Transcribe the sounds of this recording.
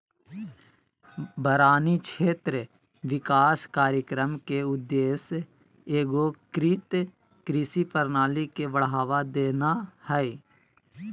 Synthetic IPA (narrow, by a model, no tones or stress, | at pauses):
bəɾaːnikt͡ʃʰeːt̪ɾə | ʋɪkaːskaːɾjəkɾəmkeʊd̪ːeːs | eːɡokɾit̪ | kɾɪsipəɾnaːlikeʋəɽɦaːʋad̪eːnahɛe